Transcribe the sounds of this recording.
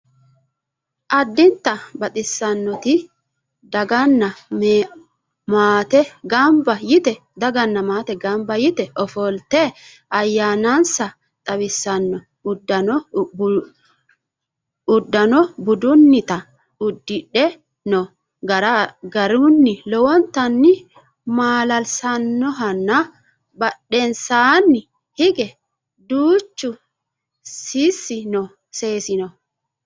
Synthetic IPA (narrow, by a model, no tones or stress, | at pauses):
ʔɐd̪ːɪnt̪ːɐbɐt̪ʼɪsːɐnːɔt̪ɪ | d̪ɐɡɐnːɐm | maːt̪ɛɡɐmbɐjɪt̪ɛ | d̪ɐɡɐnːɐmaːt̪ɛɡɐmbɐjɪt̪ɛʔɔfɔlt̪ɛ | ʔɐjːaːnansɐ | t̪ʼɐwɪsːɐnːɔ | ʊd̪ːɐnɔ | ʊd̪ːɐnɔbʊd̪ʊnːɪt̪ɐ | ʊd̪ːɪᶑɛ | nɔ | ɡɐɾaɡɐɾunːɪlɔwɔnt̪ɐnːɪ | maːlɐlsɐnːɔɦɐnːɐ | bɐɗːensaːnːɪ | hɪɡɛ | d̪uːt͡ʃːʊ | sisːɪnɔ | se̞ːsɪnɔ